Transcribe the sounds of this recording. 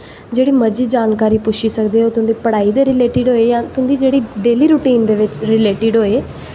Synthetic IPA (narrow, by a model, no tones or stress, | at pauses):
d͡ʒeːɽiːməɾd͡ʒiːd͡ʒaːnkaːɾiːpʊʃʰiːsəkd̪eːoːt̪ʊ̃nd̪iːpəɽaːiːd̪eːɾɪleːʈɪɖɦoːeːjãːt̪ʊnd̪iːd͡ʒeːɽiːɖeːliːɾuːʈiːnd̪eːʋɪt͡ʃɾɪleːʈɪɖɦoːeː